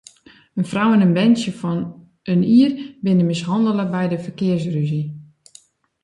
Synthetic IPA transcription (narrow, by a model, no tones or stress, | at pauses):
ənfrawənənbɛnsjəfɔn | əniərbɪnəmɪshɑndələbɛjdəfərkɪərsryzi